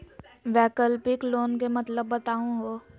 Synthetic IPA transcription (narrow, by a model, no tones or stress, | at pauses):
ʋɛːkəlpɪkloːnk̬emɐt̪ləbːɐt̪aːũɡoː